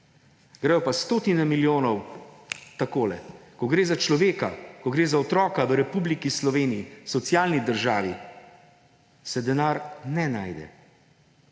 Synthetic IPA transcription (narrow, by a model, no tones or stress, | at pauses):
ɡɾajɔpast̪oːt̪inɛmiljoːnɔw | t̪akoːlɛ̰kɔɡɾeːzat͡ʃlɔʋeːkakɔɡɾeːzaɔt̪ɾɔːkaʋəɾɛpublikislɔʋeːnijisɔt̪sijaːlnid̪əɾʒaːʋi | sɛd̪ɛnaːɾnɛnaːjd̪ɛ̰